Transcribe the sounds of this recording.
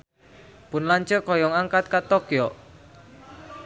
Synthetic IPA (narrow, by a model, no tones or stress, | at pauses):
pʊnlaɲt͡ʃəkɔjɔŋaŋkat̪̚kat̪ɔkjɔ